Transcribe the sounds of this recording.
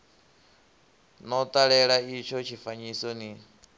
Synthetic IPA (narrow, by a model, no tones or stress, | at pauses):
nɔt̪ʼaɺɛɺait͡ʃʰɔt͡ʃʰifaɲisɔni